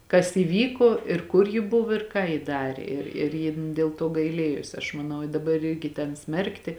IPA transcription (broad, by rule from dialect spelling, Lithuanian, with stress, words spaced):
kɐs iːˈʋʲiːkoː ɪr ˈkʊr jɪ ˈbʊʋoː ɪr kɑː jɪ ˈdɑːrʲeː ɪr ɪr ˈjɪn dʲeːlˠ ˈtoː ɡɐɪˈlʲeːjoːs ɐʃ mɐˈnɐʊ ɪ dɐˈbɐr ˈɪrʲɡʲɪ tʲɛn ˈsʲmʲɛrktʲɪ